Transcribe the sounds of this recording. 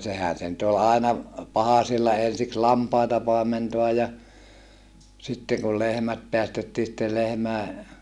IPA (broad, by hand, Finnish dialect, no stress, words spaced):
sehæn̞ se nyt ol ɑˑenɑ pɑhɑsilːɑ ensiks lɑmpɑitɑ pɑˑementoɑj jɑ sitːeŋ kul lehmæt peæstetːiː sitːel lehmæe